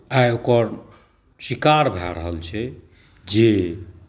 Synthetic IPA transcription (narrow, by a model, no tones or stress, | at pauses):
ajokəɾ | sikaɾbʱa̰ɾəɦəlt͡ʃʰɛ | d͡ʒe